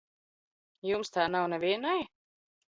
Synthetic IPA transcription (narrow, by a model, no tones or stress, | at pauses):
jumst̪aːnawnɛviɛnaj